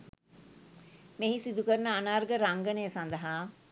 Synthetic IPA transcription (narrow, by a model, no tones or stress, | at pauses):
meɦisid̪ukəɾnəanaːɾɡəɾaŋɡənejəsand̪əɦaː